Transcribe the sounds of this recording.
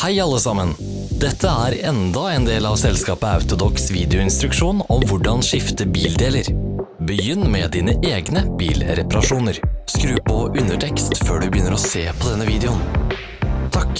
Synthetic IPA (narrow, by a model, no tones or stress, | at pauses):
hæɪɑlːəsɑmən | d̪ɛt̪ʰːəæːɾɛnd̪ɑɛːnd̪eːlɑːʋsɛlskɑːpəɑ̰ʉt̪ʊd̪ɔksʋiːd̪ɛʊɪnst̪ɾʉkʂuːnɔmʋʊɖɑnʂɪft̪əbiːld̪eːləɾbəjʏnːmɛd̪iːnəʔeːɡnəb̥ḭːlɾɛpɑɾɑʂuːnəɾskɾʉːpʰɔʔʉnəʈʰɛkst̪føːɖʉbəjʏnːəɾɔseːpʰɔd̪ɛnːəʋiːd̪ɛʊn | t̪ʰɑk